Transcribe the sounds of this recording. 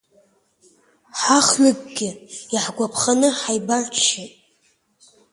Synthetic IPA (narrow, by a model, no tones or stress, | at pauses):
ħaχɥʊɡ̚ʼɡʲɪaħɡʷapʰχanɨħajbarʃetʼ